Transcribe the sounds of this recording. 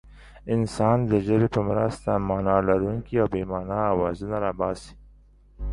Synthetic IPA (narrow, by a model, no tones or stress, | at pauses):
ɪnsɑnd̪əʒəbepəmɾa̰st̪amɑnɑlaɾuŋkiawbemɑnɑːwɑzunaɾabɑsi̥